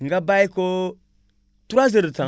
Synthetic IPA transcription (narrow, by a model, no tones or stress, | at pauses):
ŋɡabaiko | tuɾaziɾt͡sa